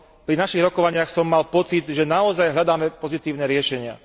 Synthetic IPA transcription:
pɾinaʃiɣɾɔkɔʋaɲɪaxsɔmːalpɔt͡sid̪ʒɛnaɔzajɦʎad̪aːmɛpɔzit̪iːʊnɛɾɪɛʃɛɲɪa̰

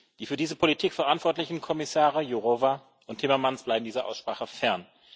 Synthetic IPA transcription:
d̥iːfyːɐdiːzəpʰolitʰiːkfɛɐʔantv̥ɔɐtlɪçn̩kʰɔmɪsaːʁəjoʁova | ʔʊntʰːɪmɐmansb̥laɪbm̩diːzəʔa̰ʊsʃpʁ̥aːχəfɛɐn

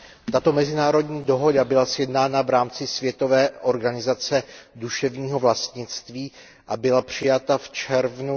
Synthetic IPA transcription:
t̪at̪o̞mɛzɪnaːɾo̞dɲiːdo̞ɦo̞dabɪlasjɛdnaːnavɾaːmt͡sɪsvjɛt̪o̞vɛːʔo̞ɾɡanɪzat͡sɛduʃɛvɲiːɦo̞vlast̪ɲɪt͡st̪viː | ʔabɪlapr̝̥ɪjat̪aft͡ʃɛɾvnu

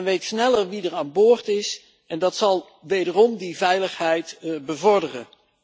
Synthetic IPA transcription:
nʋejtsnɛləɹʋidəɹaːnboːɹtɪs | ɛndɑtsɑlˠ | ʋejdərɔmdivɛjləχɦɛjtbəvɔɹdərən

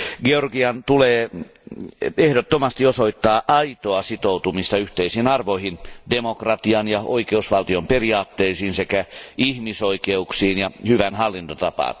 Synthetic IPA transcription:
ɡeorɡiɑnt̪uleː | ehɾot̪ːomɑst̪iosoit̪ːɑːʔɑit̪oɑsit̪out̪umist̪ɑyht̪eisiːnɑrʋoihindemokrɑt̪iɑnjɑoikeusʋɑlt̪iomperiɑːt̪ːeisiːnsekæihmisoikeuksiːnjɑhyʋænhɑlːint̪ot̪ɑpɑ̰n

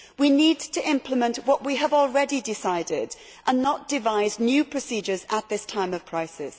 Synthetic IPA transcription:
winiːdtʰəʔɪ̃mpʰlɪmə̃nʔwɒʔwiəvɔl̩ˠɹɛdidɪsaɪdɪd | ʔə̃nːətd̥ɪvaɪznjʉpʰɹ̥əsiːd͡ʒəzəʔ̪̚ðɪstʰãɪ̃məv̥kʰɹ̥aɪsɪs

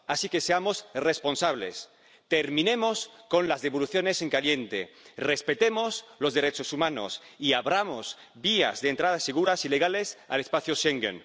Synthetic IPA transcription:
asike̞seamo̞srespo̞nsaβ̞le̞̰s | t̪eɾmĩne̞mosko̞nlazðe̞βoluθjo̞ne̞seŋkalje̞nt̪erespe̞t̪emoslo̞zðe̞ɾet͡ʃo̞sumãno̰s | iaβɾamoz | bia̰zðent̪ɾaðaseɣ̞uɾasile̞ɣ̞ale̞sa̰lespaθjoʃeŋɡḛn

